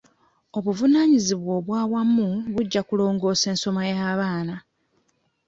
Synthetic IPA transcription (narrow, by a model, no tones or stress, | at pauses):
o̞βuvunaːɲiziβwo̞ːβwaːwamːuβuɟːakulo̞ːŋɡo̞ːse̞ːnso̞majaːβaːna